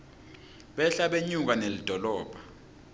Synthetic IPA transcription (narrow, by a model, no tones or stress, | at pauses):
ɓɛɬaɓeɲuk̬anelid̥ʱɔlɔːbʱḁ